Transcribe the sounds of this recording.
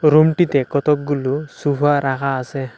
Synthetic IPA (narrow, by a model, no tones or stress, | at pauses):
ɾumʈitɛkɔt̪ɔk̚ɡulusupʰaɾakaːsɛ